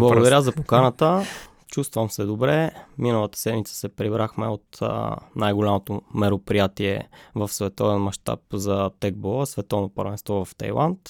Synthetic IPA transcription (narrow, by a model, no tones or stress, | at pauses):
blˠəɡɡd̪ɐɾjazɐpokanət̪ə | t͡ʃust̪vəmsɛd̪obɾɛminəlˠət̪ə̥sɛd̪mit̪sə̥sɛpɾibɾaxmɛot̪najɡolʲamot̪omɛɾopɾijat̪iɛ̰vəfsvɛt̪ɔvɛnmɐʃt̪a̰pzɐt̪ɛɡ̚bɔlˠəsvɛt̪ɔvnopə̰ɾvɛnst̪vɔvɐft̪ɐ̰jlˠa̰nt̪